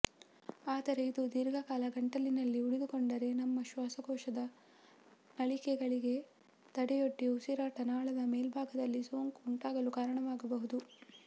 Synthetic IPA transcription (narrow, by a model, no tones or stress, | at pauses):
aːd̪ɐɾeid̪ud̪iɾɡʱɐkaːlɐɡɐɳʈɐlːinɐlːiuɽid̪ukoɳɖɐɾe̞nɐmːɐʃʋaːsɐɡɔːʃɐd̪ɐ | nɐɭikɛɡɐɭiɡe̞ | t̪ɐɽɛjo̞ʈːiusiɾaːʈɐnaːɭɐd̪ɐmeːlbʱaːɡɐd̪ɐlːiso̞ːŋkuɳʈaːɡɐlukaːɾɐɳɐʋaːɡɐbɐɦud̪u